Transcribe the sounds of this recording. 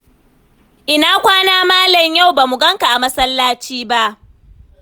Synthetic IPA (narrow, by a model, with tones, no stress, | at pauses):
ʔɪ˨naː˦kʷaː˦naː˦maː˦lɐ˨ɲja˦˨wbaː˨mu˨ɡɐ˦ŋka˨ʔa˨mɐ˦sɐ˦lːaː˦t͡ʃiː˦ba˦ʔ